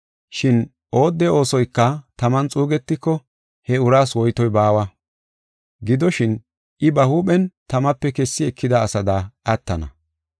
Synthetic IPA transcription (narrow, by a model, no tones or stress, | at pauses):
ʃɪn | ʔo̞ːd̪ːɛo̞ːsɔjkːɐt̪ɐmɐnt͡sʼuːɡɛt̪ːɪkːɔ | hɛʊɾaːswɔjt̪ɔjbaːwɐ | ɡɪd̪ɔʃɪn | ʔɪbɐhuːɓɛnt̪ɐmɐpːɛkɛsːɪɛkʰːɪd̪ɐːsɐd̪aːʔɐt̪ːɐnɐ̰